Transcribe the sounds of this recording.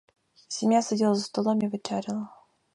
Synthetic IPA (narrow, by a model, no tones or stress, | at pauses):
sʲɪmʲjasʲɪdʲilˠəzəst̪ɐlˠomʲivɨt͡ɕaɾʲɪlˠə